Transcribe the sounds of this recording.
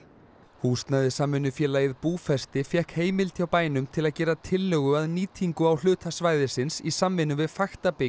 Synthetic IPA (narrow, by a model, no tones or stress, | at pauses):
hust̪naðɪsamvɪnːʏfjɛːlaːjɪðpuːfɛst̪ɪfjɛhkheːjmɪlt̪ʰjawpaːjnʏmt̪ʰɪlaðcɛːɾat̪ʰɪlːœɣʏaðniːt̪ʰiŋkʏawl̥ʏːt̪ʰasvaːjðɪsɪnsisamvɪnʏvɪðfaxt̪apɪ